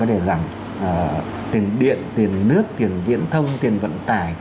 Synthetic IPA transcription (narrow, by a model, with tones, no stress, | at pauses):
ɔ˨˦t̪ʰe˧˩za˧˩ŋ | ʔəː˨˩ | t̪i˨˩ənɗḭ˧˨ənt̪i˨˩ənːɨ˦˥ək̚t̪i˨˩ənvḭ˧˥ənt̪ʰə˧wŋ͡mt̪i˨˩ənvə̰˧˨nt̪aː˧˩j